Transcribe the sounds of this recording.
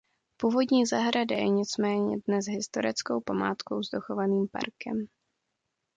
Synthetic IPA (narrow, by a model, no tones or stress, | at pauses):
puːvo̞dɲiːzaɦɾadajɛɲɪt͡smɛːɲɛ̰dnɛzɦɪst̪o̞ɾɪt͡skowpamaːt̪kowzdoxovaniːmpa̰ɾkʰɛ̰m